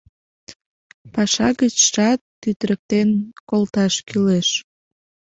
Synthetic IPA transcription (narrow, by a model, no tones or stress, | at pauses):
pɑʃɑɣət͡ɕʃɑt̪ːyt̪ɾək̚t̪enkolt̪ɑʃkyleʃ